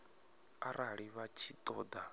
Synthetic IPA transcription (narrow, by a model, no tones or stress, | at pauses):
a̰ɾaɺiβat͡ʃʰit̪ʼɔːd̪a